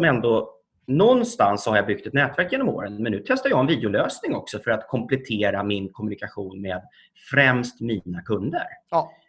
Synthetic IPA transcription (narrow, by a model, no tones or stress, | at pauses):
sɔmɛnd̪o | nɔnːst̪ansːɔhaɾjabʏɡ̥̚t̪ɛt̪nɛːt̪væɾkjeːnɔmo̰ːɾənmɛnːʉ̟ːt̪ʰɛst̪aɾjɑːɡɛnviːd̪ɪʊløːsnɪŋɔksɔfœɾat̪kʰɔmplɛt̪ʰeːɾamɪnkʰɔmɵnɪkaɧuːnmeːd̪ | fɾɛmst̪miːnakʰɵnd̪ə̰ɾ